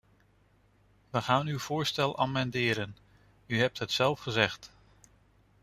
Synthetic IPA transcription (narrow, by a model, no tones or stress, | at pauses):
ʋəχaːnywv̥ʊːɹstɛlˠʔa̰mɛndɪːɾən | yɦɛp̚tɦətsɛlˠfχəzɛχt